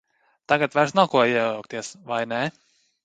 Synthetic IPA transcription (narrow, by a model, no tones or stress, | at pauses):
t̪aɡat̪vaɾsnakuɔiɛjawkt̪iɛsvajnɛ